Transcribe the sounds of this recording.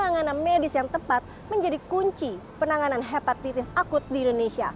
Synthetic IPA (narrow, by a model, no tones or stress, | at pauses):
naŋananmedɪsjaŋt̪əpat̪̚ | məɲd͡ʒadikuɲt͡ʃipənaŋananɦepat̪ːit̪ɪsakʊt̪̚diːndonesia̰